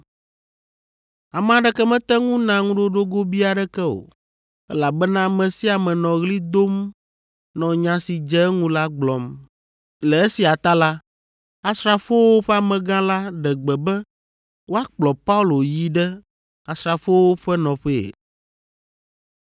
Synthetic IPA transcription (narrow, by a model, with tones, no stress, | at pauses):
a˨mɛ̃˦˨a˨ɖɛ˦kɛ˦mɛ̃˦t̪ɛ˦ŋũ˦nã˨ŋũ˦ɖo˦ɖo˦ɡo˦bi˦a˨ɖɛ˦kɛ˦o̰˨ | ɛ̰˦la˨bɛ˦nã˦mɛ̃˨si˦a˨mɛ̃˨nɔ̃˨ɣli˦d̪o˦m | nɔ̃˨ɲã˨˦si˨d͡ʒɛ˦ŋũ˦la˦ɡ͡blɔ̃˨m | lɛ˨e˦si˨a˨t̪a˦la˦ | a˦stɾa˨fo˦wo˦ɸɛ˦a˨mɛ̃˨ɡã˦la˦ɖɛ˨ɡ͡bɛ˨bɛ˦ | wo˦a˦k͡plɔ˨pa˦u˦lo˨ji˦ɖɛ˦ | a˨sɾa˨fo˦wo˦ɸɛ˦nɔ̃˨ɸɛ˦ḛ˨